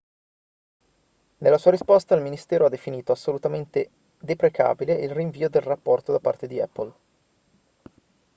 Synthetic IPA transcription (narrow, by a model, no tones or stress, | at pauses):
nelːasuːaɾispɔst̪ailminist̪ɛːɾoad̪ːefiniːt̪oasːolut̪ament̪e | d̪epɾekʰa̰ːbileilriɱviːod̪elrapːɔrt̪od̪apːa̰rt̪ed̪iɛ̰pːol